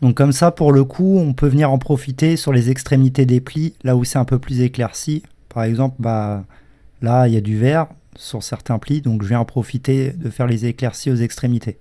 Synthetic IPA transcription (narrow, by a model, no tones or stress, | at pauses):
d̪ɔ̃kːɔmsapuʁləkʰuɔ̃pøvəniʁɑ̃pχɔfit̪esyʁlezɛkst̪χemit̪ed̪eplilausɛɛ̃pøplyzeklɛʁsi | paʁɛɡzɑ̃plba | lailjad̪yvɛʁsyʁsɛʁt̪ɛ̃plid̪ɔ̃kʒəvjɛ̃ɑ̃pχɔfit̪ed̪əfɛʁlezeklɛʁsiozɛkst̪χemit̪ʰe